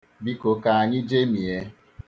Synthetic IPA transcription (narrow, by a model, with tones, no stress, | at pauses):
bi˦ko˨ka˨a˨ɲɪ˦d͡ʒe˦mi˨e˦